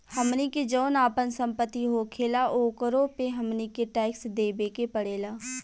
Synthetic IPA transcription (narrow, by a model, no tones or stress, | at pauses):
həmniked͡ʒoːnaːpənsə̃mpət̪ːiɦokʰeːlaʔokəɾopeɦɐmnikeʈɛːɪksd̪eːbeːkepəɽeːlaː